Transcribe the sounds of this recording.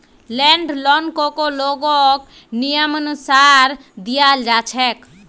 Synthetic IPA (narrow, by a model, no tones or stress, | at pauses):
lɛɳɖlɔnkokoloɡõk | nijəmənʊsaɾ | d̪ijald͡ʒat͡ʃʰɛk